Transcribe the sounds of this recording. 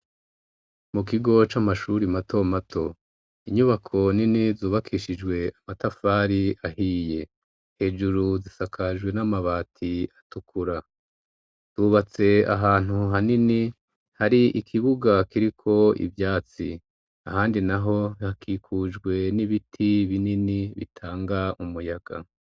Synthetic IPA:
muk̬iɡo̞t͡ʃamaʃuɾimatʰo̞matʰo̞ | iɲuβakʰo̞ninizuːβakʰiʃid͡ʒɡwe̞amatafaːɾiahiːje̞ | he̞ːd͡ʒuɾuzisakʰaʒɡwe̞namaβaːtʰiatukʰuɾa | z̥uːβat͡se̞a̰ɦaːn̥huɦanini | haɾiʔikʰiβuɡakiɾikʰo̞ḭvjaːt͡sḭ | a̰haːndinaɦo̞hakʰikʰuːd͡ʒɡwe̞niβitʰiβininiβḭtʰaːŋɡaumujaɡ̥a̰

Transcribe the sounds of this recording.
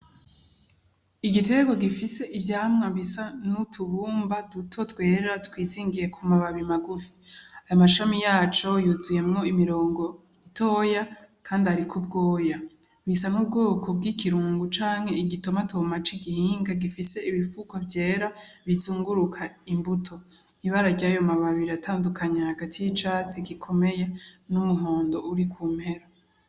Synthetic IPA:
iɡite̞ɡo̞ɡifise̞ʔivjaːmŋaβisanutʰuβuːmbadutʰo̞twe̞ːɾeɾatwiːziːŋɡije̞kʰumaβaβimaɡufi̥ajamaʃamijaːt͡ʃo̞juzuje̞mŋo̞imiɾo̞ːŋɡo̞ | itʰo̞ːjakʰaːndiaɾikʰo̞b̚ɡo̞ːja | βisanub̚ɡo̞ːkʰo̞bɡikʰiɾuːŋɡut͡ʃaːŋhe̞iɡito̞matʰomat͡ʃiɡihiːŋɡaɡifise̞iβifukovje̞ːɾaβizuːŋɡuɾukʰaimbutʰo̞ | iβaɾaɟajomaβaβiɾatʰaːndukʰaɲahaɡatʰijit͡ʃat͡siɡikʰo̞me̞je̞numuɦo̞ːndo̞ʔuɾikʰuːmhe̞ɾa

